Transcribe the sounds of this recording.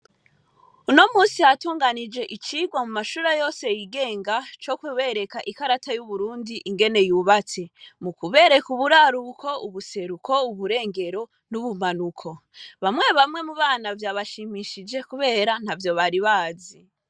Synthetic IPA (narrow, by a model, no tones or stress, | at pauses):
uno̞muːsijatuːŋɡanid͡ʒe̞ʔit͡ʃiɡwamumaʃuːɾajo̞ːse̞jiɡe̞ːŋɡat͡ʃo̞kwiwe̞ɾe̞kaʔikaɾatʰajuβuɾuːndiʔiŋɡe̞ne̞juβat͡se̞mukuβe̞ɾe̞kuβuɾaɾukʰo̞uβuse̞ɾukʰo̞uβuɾe̞ːŋɡe̞ɾo̞ | nuβumanukʰo̞βamŋe̞βamŋwe̞muβaːnavjaːβaʃimiʃid͡ʒe̞kuβe̞ːɾan̥havjo̞βaɾiβaːzi